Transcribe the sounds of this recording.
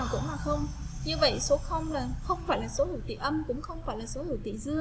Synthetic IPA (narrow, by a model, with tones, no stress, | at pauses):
aː˨˩wkʊ̰˧˥ŋ͡mlaː˨˩xə˧wŋ͡m | ɲɨ˧və̰˧˨jso˨˦xə˧wŋ͡mlaː˨˩xə˧wŋ͡mfaː˧˩jlaː˨˩so˨˦hi˧˩wt̪ḭ˧˨ʔə˧mkʊ̰˧˥ŋ͡mxə˧wŋ͡mfaː˧˩jlaː˨˩so˨˦hi˧˩wt̪ḭ˧˨zɨ˧ə